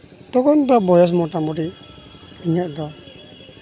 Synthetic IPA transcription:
t̪ɔɡɔnd̪ɔbɔjɔs̬mɔʈamɔɾiʔ | iɲaʔd̪ɔ

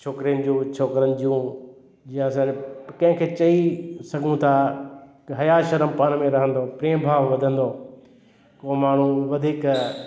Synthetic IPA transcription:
t͡ɕʰoːkɾijənɪ̆d͡ʑũːt͡ɕʰoːkɾənɪ̆d͡ʑijũ | d͡ʑijãɐsãːnkɐ̃ɦɪ̃kʰeːt͡ɕɐisɐɡʱũt̪ʰa | ɦɐjaːʃɐɾəmpaːñmẽɾɐɦə̃nd̪oːpɾeːmbʱaːʋʋɐd̪ʱə̃nd̪oː | koːmaːɳ̤ũʋɐd̪ʱiːk

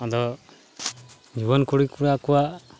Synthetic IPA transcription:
ɔd̪ɔ | d͡ʒiβɔnkuɽikuɾakuwaʔ

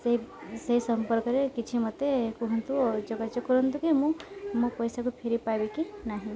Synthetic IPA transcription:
seisɐɦisɐmpəɾkəɾekɪt͡ʃʰimɐt̪ːekuɦũnt̪uɔd͡ʒoɡat͡ʃekəɾənt̪ukimũmũpəjsakupʰeɾipabikinaːɦĩ

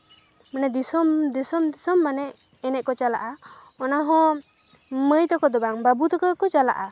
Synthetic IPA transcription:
mɛnɛd̪isɔmd̪isɔmd̪isɔmːanɛʔ | ɛnɛʔ̪̚kɔt͡ʃala̰ʔa | ɔnaɦɔ̃ | məjt̪ɔkɔd̪ɔbaŋbabut̪ɔkɔkɔt͡ʃala̰ʔa

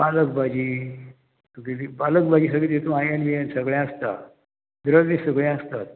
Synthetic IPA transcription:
aləɡbad͡ʑiː | t̪ukiibalək̚bad͡ʑiːs̬əɡɭit̪et̪ũajanjesəɡɭãəst̪a̰ | d̪ɾəɽʋiːsəɡɭjɛ̃əst̪at̪̚

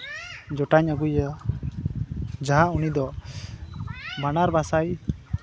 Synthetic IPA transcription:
d͡ʒɔʈaɲaɡuja | d͡ʒaɦaunid̪ɔ | banaɾbasaj

